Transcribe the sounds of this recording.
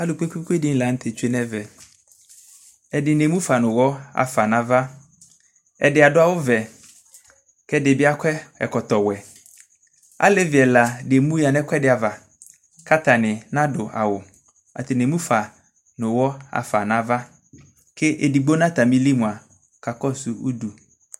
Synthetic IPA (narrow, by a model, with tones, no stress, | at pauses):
a˦lʊ˨k͡pe˦kʷi˦kʷe˦dɪ˦n̩˨la˨n̩˦t̪ʰe˨t͡ʃe˦nɛ̃˦vɛ˨ | ɛ˨dɪ˨nẽ˨mũ˦fa˨nʊ̃˨wɔ˦a̰˨fa˨nã˦va˦ | ɛ˨dɪ˨˦a˨dʊ˦a˨wʊ˦vɛ˨ | kɛ˦dɪ˨bɪ˦a˦kʰʷɛ˦ɛ̰˨kɔ˨t̪ɔ˨wɛ˨ | a̰˦le˦vɪ˨ɛ˨la˨de˨mũ˦ja˨nɛ̃˦kʷɛ˦dɪ˨˦a˨va˨ | ka˦t̪a˨nɪ˨nã˦dʊ˨a̰˨wʊ˨ | a̰˨t̪ɪ˨ne˨˦mũ˦fa˨ | nʊ̃˨wɔ˦a̰˨fa˨nã˨˦va˦ | kʰɪ˦ʔe˨di˨ɡ͡bo˦nã˦t̪a˨mĩ˦li˦mũ˨a˨ | ka˨kɔ˦su˨ṵ˦du˨